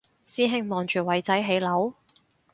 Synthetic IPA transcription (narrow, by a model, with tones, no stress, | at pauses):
siː˥ɦɪ˧ŋmɔː˨˩ŋt͡ʃyː˨˩wɐ˨˩jt͡sɐ˨˥jɦe˨˥jlɐ˨˥w